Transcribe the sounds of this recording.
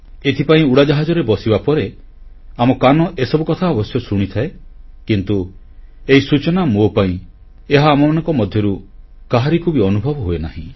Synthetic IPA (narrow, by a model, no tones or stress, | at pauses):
et̪ʰipaĩuɽad͡ʒaɦad͡ʒɔɾebɔsibapɔɾe | amɔkanɔʔesɔbukɔt̪ʰaɔbɔsjɔsuɽ̃it̪ʰae | kint̪u | eisut͡ʃɔnamopaĩ | eɦaːmɔmanɔŋkɔmɔd̪ʱjɔɾu | kaɦaɾikʰubiɔnubʱɔbɔɦoena̰ɦḭ̃